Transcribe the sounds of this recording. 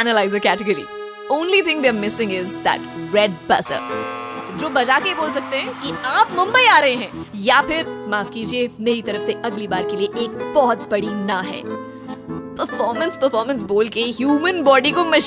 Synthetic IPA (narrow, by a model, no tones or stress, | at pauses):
ænəlaɪzəkæʈɪɡəɾḭ | õːnlit̪ʰɪ̃ŋd̪eːɾmɪsɪ̃ŋɡɪzd̪æ̰ʈɾɛɖ̚bɐ̰sə̰ | d͡ʒoːbɐd͡ʒaːkeboːlsɐk̚t̪eɦɛ̃kiaːpmɐ̃mbəiaːɾɐɦẽɦɛ̃japʰɪɾmaːfkiːd͡ʒiemeːɾit̪ɐɾəfseʔɐɡlibaːɾkelieʔeːk̚b̥ɔɦɔt̪̚bɐɽinaɦɛ̰ː | pəɾfɔːɾmə̃nspəɾfɔːɾmə̃ns̬boːlkeɦjuːmə̃nbɔːɖikomɐʃ